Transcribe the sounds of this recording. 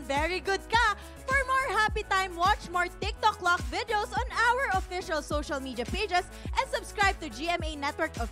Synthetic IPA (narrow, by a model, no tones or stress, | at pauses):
vɛɹiɡʊd̪̚kɐ | fɔɹmɔɹhapit̪ãjmwɑt͡ʃmɔɹt̪ɪk̚t̪ɔk̚lɔk̚vɪd̪ɛosɔ̃nawəɹɔfɪʃɐlsoʃɐlmiːd̪iɐpeɪd͡ʒɛs | ʔɛ̃nsʊbskɹaɪb̚t̪ʊd͡ʒiɛmeɪnɛt̪wəɹkɔ